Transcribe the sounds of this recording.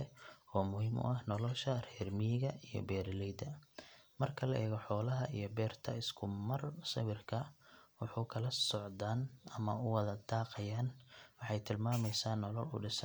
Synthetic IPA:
ɛɔːmʊhiːmʊ̰ʔɐhnɔlɔʃɐrɛːrmiɣɐijɞ̰bɛːɾlɛjd̪ɐmɐrkʰɐlɐʔɛːɣɔħɔːlɐɦɐijɞbɛːrt̪ʰɐ̰ɪskʰʊmɐrsɐ̰wɪrkʰɐwɑħuːkʰɐlɐsɔʕd̪aːnɐmɐʊwɐðɐd̪aːqɐjaːnwɑħɑjt̪ʰɪlmaːmɛjsaːnːɔlɔlʊ̰ɖɪs

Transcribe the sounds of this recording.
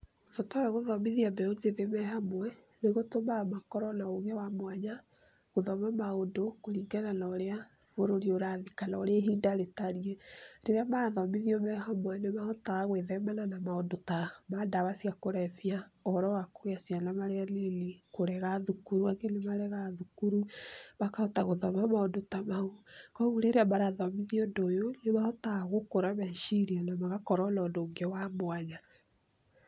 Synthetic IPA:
fɔtaaɣoðɔmiðiambɛod͡ʒeðemɛhamwɛ | neɣotomamakɔɾɔnaoɣɛwamwaɲa | ɣoðɔmamaondokoɾiŋɡɛlanaːɾea | foɾoɾioɾaðikanaɔɾeɦiːndaɾetaɾiɛɾeɾeamaðɔmiðiɔmɛɦamwɛnemaɔtaaɣweðɛmɛlanamaondotamadaβasiakoɾɛfjaɔɾɔwakoɣeasianamaɾealenikoɾɛɣaðukuɾuaŋɡenemaɾɛɣaðukuɾuβakaɔtaɣoðɔmamaondotamaokɔɣuɾeɾeamaɾaðɔmiðiondojonemaɔtaɣokoɾamɛʃiɾianamaɣakɔɾɔlɔːndoŋɡewamwaɲa

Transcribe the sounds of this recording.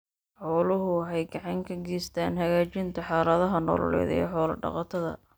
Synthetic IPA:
ħɔːlʊɦʊħɛjɡɑʕɑŋkʰɐɡiːst̪ʰaːnɦɐɣaːt͡ʃɪnt̪ʰɐħɑːlɐðɐɦɐnɔ̰ːlɔ̰lɛ̰ːjðɛ̰ːħɔːlɐɖɑ̰qɑt̪ʰɐðɐ̰

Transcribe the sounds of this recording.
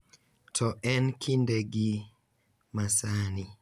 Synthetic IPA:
tʰɔʔɛnkʰindeɡi | masani

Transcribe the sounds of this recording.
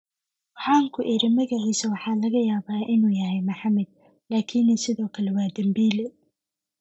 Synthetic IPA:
ħɑːŋkʰʊʔɪɾɪmɐɣɐʕiːsɐwɑħɑːlɐɣɐjaːβaːʔɪnuːjɐɦɛjmɐħɑmɛd̪̚ | laːkʰinɪsɪðɔːkʰɐlɛwaːd̪ɐmbiːlɛ

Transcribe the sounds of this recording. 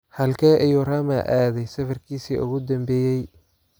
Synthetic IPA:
hɐlkʰɛːʔɪjurɐmɐ̰ʔaːðɛjsɐfɐrkʰiːsiːʔʊ̰ɣʊd̪ɐmbɛːjɛj

